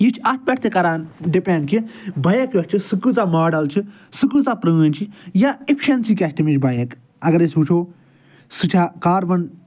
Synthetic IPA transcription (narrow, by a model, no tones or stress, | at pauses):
jit͡ʃʰɐt̪̚bʲɐʈ̚ʰt̪ʰekɐɾaːnɖipeːnkibɐjɐkjot͡ʃʰisɨkɨzamaːɖɐlt͡ʃʰi | sɨkɨzapɾəːənʲt͡ʃʰijaepʰiʃɐnsikʲɛːsʈɐmit͡ʃʰbɐjɐk | ɐɡɐɾesʲɦut͡ʃʰoː | sɨʈʰaːkaːɾbɐn